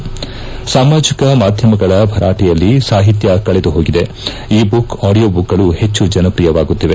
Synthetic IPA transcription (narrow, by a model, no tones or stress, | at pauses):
saːmaːd͡ʒikɐmaːd̪ʱjɐmɐɡɐɭɐbʱɐɾʔaːʈijɐlːisaːɦit̪̬jɐkɐɭed̪uɦo̞ːɡid̪e̞ | iːbukaːɽijoːbukːɐɭuhe̞t͡ʃːud͡ʒɐnɐpɾijɐʋaːɡut̪ːiʋe̞